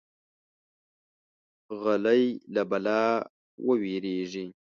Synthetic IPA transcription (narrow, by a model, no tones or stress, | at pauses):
ɣaləjlabalɑ | wəweɾeʐi